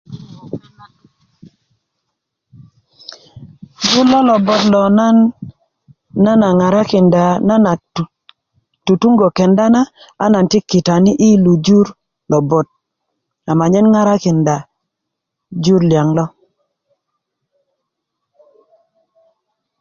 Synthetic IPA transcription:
d͡ʒu˦lɔ˦lɔ˨bɔ˦tlɔ˨na˦n | a˦na˨ŋa˨ɾa˦kɪ˨nda˨na˦na˨ | tu˨tu˦ŋɡo˨kɛ˨nda˦na˦ | a̰˦na˨ntɪ˦kːɪ˨ta˨nɪ˦ʔɪ˦lu˨d͡ʒu˦ɾ | lɔ˨bɔ˨t̚ | a˨ma˨ɲɛ˦nŋa˦ɾa˦kɪ˨nda˨ | d͡ʒu˦ɾlja˨ŋlɔ˦

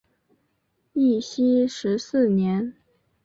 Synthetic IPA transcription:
i˥˩ɕi˥ʂɻ̩˧˥sɹ̩˥˩njɛ˧˥n

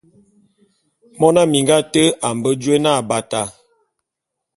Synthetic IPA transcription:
mɔ˦na˦mi˨ŋɡa˦tə˦a˨m˨bə˦d͡ʒwe˦na˦˨ba˨ta˨

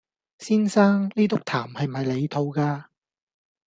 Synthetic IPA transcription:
siː˥nsaː˥ŋliː˥t̪ʊ˥k̚t̪ʰaː˨˩mhɐ˨jm̩˨ɦɐ˨jle˨˧jt̪ʰo˨˧wkaː˧

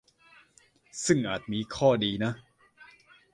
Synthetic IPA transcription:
sɯ˥˩ŋʔaː˨˩t̪̚miː˧kʰɔː˥˩diː˧na˦˥

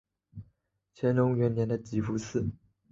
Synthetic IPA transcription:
t͡ɕʰjɛ˧˥nɻʊ˧˥ŋɥɛ˧˥nnjɛ˧˥nd̪ə˧t͡ɕi˧˥fu˧˥sɹ̩˥˩

